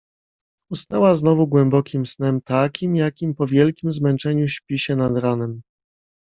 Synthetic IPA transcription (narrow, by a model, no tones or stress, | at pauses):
ustnɛwaznɔvuɡwɛmbɔkʲimsnɛmt̪akʲimjakʲimpɔvʲjɛlkʲimzmɛnt͡ʂɛɲuɕpʲiɕɛnad̪ɾanɛm